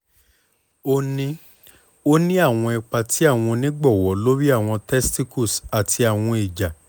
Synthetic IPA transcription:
o˦nĩ˦ | o˦nĩ˦a˦˨w̃ɔ̃˧ɛ˧k͡pa˧ti˨˦a˦˨w̃ɔ̃˧nĩ˦ɡ͡bɔ˦˨wɔ˨˦lo˦ɾi˦a˦˨w̃ɔ̃˧tɛ˦sti˦ku˦˨sa˨tʰi˧a˨w̃ɔ̃˧i˨d͡ʒa˨

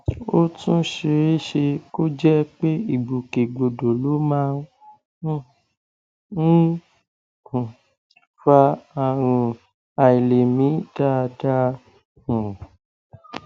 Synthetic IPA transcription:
o˦tũ˦ʃe˧ɾe˦ʃe˧ko˦d͡ʒɛ˦k͡pe˦i˦˨ɡ͡bu˨ke˨ɡ͡bo˨do˨lo˨˦mãː˦˨ | fa˧a˨ɾ̃ũ˧ | a˨i˨le˨mĩ˨˦ta˦˧da˧ | ũ˨

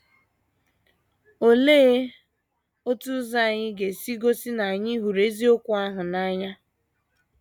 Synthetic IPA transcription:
o˨leː˦ | o˦tu˦za˦˨ɲɪ˦ɡe˨si˦ɡo˦si˦na˨a˨ɲɪ˦ɦu˨ɾe˦zi˦o˦kʷʊ˦a˦ɦʊ˨na˦ɲa˦

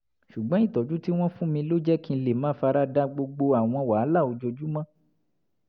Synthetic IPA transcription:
ʃu˨ɡ͡bɔ̃˨˦i˦˨tɔ˨˦d͡ʒu˦ti˦w̃ɔ̃˦fũ˦mĩ˧lo˦d͡ʒɛ˦kĩ˦˧le˨mãː˦fa˧ɾa˦da˦ɡ͡bo˧ɡ͡bo˧a˨w̃ɔ̃˧wa˨a˦la˦˨o˨˧d͡ʒo˧d͡ʒu˦mã˦

